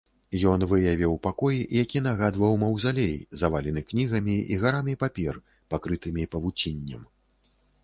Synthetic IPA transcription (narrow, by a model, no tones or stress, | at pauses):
jɔnvɨjavʲɛwpakɔjiʔjakʲin̪aɣad̪vɐwmɐwzalʲejzavalʲɛnɨknʲiɣɐmʲiḭɣaɾamʲipapʲɛr | pakɾɨt̪ɨmʲipɐvut͡sʲinʲːɐm